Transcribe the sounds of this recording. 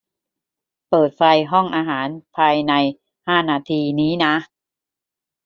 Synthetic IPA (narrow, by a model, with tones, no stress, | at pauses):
pɤː˨˩t̪̚fa˧jɦɔ˥˩ŋʔaː˧ɦaː˩˦npʰaː˧jna˧j | haː˥˩naː˧t̪ʰiː˧niː˦˥na˦˥ʔ